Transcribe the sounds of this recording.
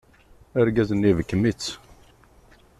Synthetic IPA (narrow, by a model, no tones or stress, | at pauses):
əɾɡæzənːivəkːəmit͡sː